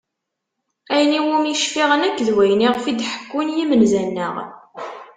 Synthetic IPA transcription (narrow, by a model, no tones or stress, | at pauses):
æjniwumjiʃfiʁənækːðwæjniʁfid̪ħə̥kːʊnjimənzænːəʁ